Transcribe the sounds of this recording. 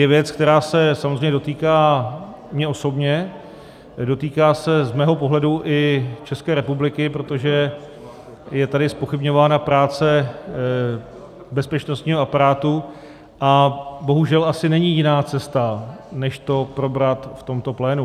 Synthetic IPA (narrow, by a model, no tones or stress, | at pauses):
jɛvjɛt͡skt̪ɛɾaːsɛsamozreɛɲɛdot̪iːkaː | mɲɛʔo̞so̞bɲɛ | do̞t̪iːkaːsɛzmɛːɦo̞po̞ɦlɛduʔɪt͡ʃɛskɛːɾɛpublɪkɪpɾo̞t̪o̞ʒɛ | jɛt̪adɪspo̞xɪbɲo̞vaːnapɾaːt͡sɛ | bɛspɛt͡ʃno̞st̪ɲiːɦo̞ʔapaɾaːt̪u | ʔabo̞ɦuʒɛlʔasɪnɛɲɪjɪnaːt͡sɛst̪anɛʃt̪o̞pɾo̞bɾat̪ft̪o̞mt̪o̞plɛːnu